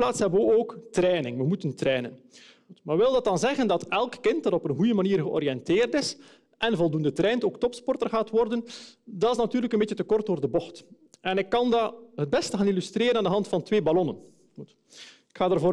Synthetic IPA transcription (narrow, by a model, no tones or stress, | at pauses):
plaːtshɛbəəoːktrɛːnɪŋʋəmutəntrɛːnən | maːʋɪlˠdɑt̚dɑnzɛɣəndɑtɛlˠkːɪnt̚dɑtɔpənɣujəmaniːrɣəɔ̰ɾijɛnteːrtɪs | ʔɛnvɔlˠdundətɾɛːntoːktɔpspɔrtərɣaːtʋɔrdəndɑtɪsnatyːrləkənbeːtt͡ʃətəkɔrt̚doːrdəbɔxt | ɛnɪkːɑndaɦəd̚bɛstəaːnilystreːɾənaːndəɦɑntfɑntʋeːbalɔnən | t | ɪkxaːdaːrvoː